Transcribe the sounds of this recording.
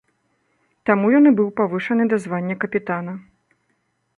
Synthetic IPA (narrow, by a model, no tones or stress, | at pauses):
t̪amujɔnɨbɨwpavɨʂɐnɨd̪ɐzvanʲːɐkɐpʲit̪anɐ